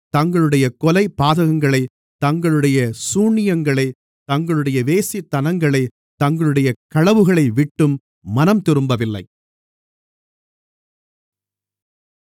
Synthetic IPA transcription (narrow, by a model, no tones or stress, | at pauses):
t̪ɐŋɡɐɭɯɽɐjɐkɔlɐɪpːaːðɐɣɐŋɡɐɭɐɪ | t̪ɐŋɡɐɭɯɽɐjɐsuːɳːɪjɐŋɡɐɭɐɪ | t̪ɐŋɡɐɭɯɽɐjɐʋeːsit̪ːɐnɐŋɡɐɭɐɪ | t̪ɐŋɡɐɭɯɽɐjɐkɐɻɐʋɯɣɐɭɐɪʋɪʈːɯmː | ɐnɐmt̪ɪɾɯmbɐʋɪlːɐ̰ɪ